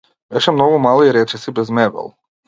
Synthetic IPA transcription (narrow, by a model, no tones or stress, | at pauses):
beʃɛmnoɡomaliɾet͡ʃesibezmeʋɛ̰lˠ